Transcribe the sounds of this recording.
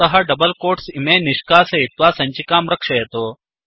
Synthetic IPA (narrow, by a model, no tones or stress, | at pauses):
ɐɦɐɖɐbɐlkoːʈsimeːniʃkaːsɐit̪ʋaːsɐɲt͡ʃikaːmɾɐkʂɐjɐt̪oː